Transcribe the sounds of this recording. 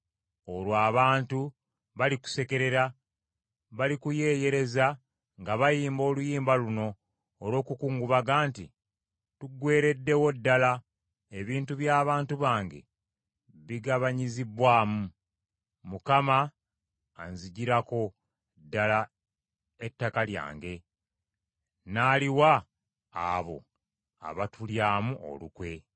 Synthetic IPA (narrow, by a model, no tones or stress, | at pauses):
o̞lwaːβaːntu | βaliku̥se̞ke̞ɾe̞ɾa | βalikuje̞ːje̞ɾe̞za | ŋɡaβajiːmbo̞ːlujiːmbaluno̞ː | ɾo̞ːkukuːŋɡuβaɡaːntḭ | tuɡwe̞ːɾe̞dːe̞wo̞dːala | e̞βiːntuβjaːβaːntuβaːŋɡe̞̰ | βiɡaβaɲiziβwaːmu | mukamaː | nziɟiɾako̞ | dːala | etːakalja̰ːŋɡe̞ | naːliwa̰ː | βo̞̰ | a̰βatuljaːmuʔo̰lṵkwe̞